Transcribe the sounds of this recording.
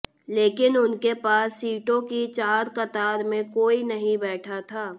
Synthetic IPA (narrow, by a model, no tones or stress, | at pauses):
leːkɪnʊnkepaːsːiːʈõkit͡ʃaːɾkɐt̪aːɾmẽkoːinɐɦĩbɛːʈʰat̪ʰaː